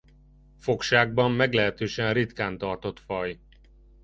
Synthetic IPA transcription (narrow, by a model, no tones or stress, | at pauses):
fo̞kʃaːɡ̚bɒmːɛɡlɛɦɛt̪øːʃɛnrit̪kaːnt̪ɒrt̪o̞t̪fɒj